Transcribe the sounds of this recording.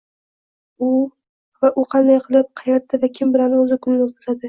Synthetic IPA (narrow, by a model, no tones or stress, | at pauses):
ʊ | vaʔʊqʰɑnd̪ajqʰɨlˠɪp̚qʰɑjɑt̪ʰːɪvakʲʰɪmbɪlanɪɵzɪkʰʊnɪnot̪̚kʰḁzad̪ɪ